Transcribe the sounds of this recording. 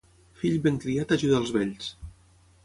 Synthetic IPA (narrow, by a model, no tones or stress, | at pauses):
fiʎbeŋkɾiat̪aʒuðaəlˠzβɛʎs